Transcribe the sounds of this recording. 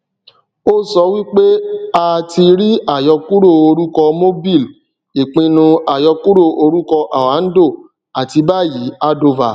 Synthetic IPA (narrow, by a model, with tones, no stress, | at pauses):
o˦sɔ˧˦wi˦k͡pe˦a˧ti˧ɾi˦a˨jɔ˧ku˦ɾo˦˨o˧ɾu˦kɔ˧mo˦bi˦˨l | i˨k͡pĩ˧nũ˧a˨jɔ˧ku˦ɾo˦˨o˧ɾu˦kɔ˧ʔa˨wa˨˦n̩˦do˦˨ | a˨ti˧ba˦˨ji˨˦a˦do˧va˨